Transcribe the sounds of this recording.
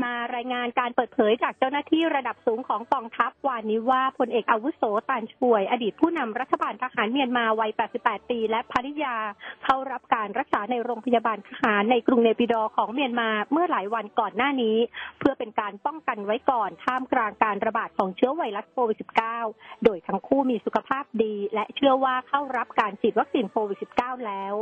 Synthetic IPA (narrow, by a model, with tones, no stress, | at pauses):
maː˧ɾaː˧jŋaː˧nkaː˧npɤː˨˩t̪̚pʰɤː˨˩˦jt͡ɕaː˨˩k̚t͡ɕa˥˩wnaː˥˩t̪ʰiː˥˩ɾa˧da˨˩p̚suː˩˦ŋkʰɔː˩˦ŋkɔː˧ŋt̪ʰa˦˥p̚waː˧niː˦˥waː˥˩pʰo˧nʔeː˨˩k̚ʔaː˧wu˦˥soː˩˦t̪aː˧nt͡ɕʰu˨˩əjʔa˧diː˨˩t̪̚pʰuː˥˩na˧mɾa˦˥t̪ʰːa˧baː˧nt̪ʰaː˧haː˩˦nmi˧ənmaː˧wa˦˥jpɛː˨˩t̪̚si˨˩pːɛː˨˩t̪ːiː˧lɛ˦˥ʔpʰaː˧li˦˥jaː˧kʰa˥˩wɾa˦˥p̚kaː˧nɾa˦˥k̚saː˩˦na˧jɾoː˧ŋpʰa˧jaː˧baː˧nt̪ʰaː˧haː˩˦nːa˧jkɾu˧ŋne˧pi˧˩dɔː˧kʰɔː˩˦ŋmi˧ənmaː˧mɯ˥˩ɐlaː˩˦jwa˧nkɔː˨˩nːaː˥˩niː˦˥pʰɯ˥˩əpe˧nkaː˧npɔ˥˩ŋka˧nwa˦˥jkɔː˨˩nt̪ʰaː˥˩mklaː˧ŋkaː˧nɾa˧baː˨˩t̪̚kʰɔː˩˦ŋt͡ɕʰɯ˦˥ɐwa˧jla˦˥t̪̚kʰoː˧wi˨˩t̪̚si̥˨˩p̚kaː˥˩wdoː˧jt̪ʰa˦˥ŋkʰuː˥˩miː˧su˨˩kʰa˧pʰaː˥˩p̚diː˧lɛ˦˥ʔt͡ɕʰɯ˥˩əwaː˥˩kʰa˥˩wɾa˦˥p̚kaː˧nt͡ɕʰiː˨˩t̪̚wa˦˥k̚siː˧nkʰoː˧wi˨˩t̪̚si˨˩p̚kaː˥˩wlɛː˦˥w